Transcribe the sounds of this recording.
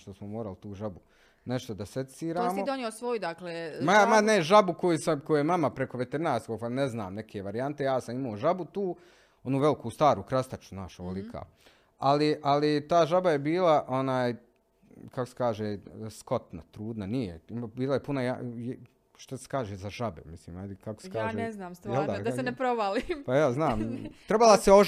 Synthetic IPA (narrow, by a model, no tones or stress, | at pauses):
ʃt̪osmomoːɾalit̪uːʒabu | ne̞ʃt̪od̪asesiːɾaːmiod̪oneosʋojud̪aklemaamaneʒabuko̞jusamkojujemamapɾeko̞ʋet̪eɾnaːst̪koɡpnezna̰ːmne̞kʰeːʋaɾijant̪e̞jaːsamimaoʒabut̪uː | o̞nuːʋe̞likuːst̪aːɾuːkɾast̪at͡ʃu̥znaːʃoʋolikʰa̰ː | aliʔalit̪aːʒabajebiːlˠaʔo̞naːj | kakose̥kaːʒeːsko̞t̪na̰t̪ɾuːd̪nanijeimbiːlˠajepunaja̰j | ʃt̪ase̥kaːʒeːzaʒabḛmisliːmajd̪ikakose̥kaːʒeːnɛznaːmsjɛlˠd̪ad̪aenepɾoʋalimpajaːznaːmt̪ɾe̞balˠaseo